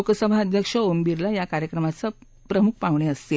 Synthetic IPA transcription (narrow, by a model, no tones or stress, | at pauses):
kəsəbʱaəd̪ʱjəkʂəombiɾlajakaɾjəkɾəmat͡sə | pɾəmuk̚ʰpaʋɳeəst̪e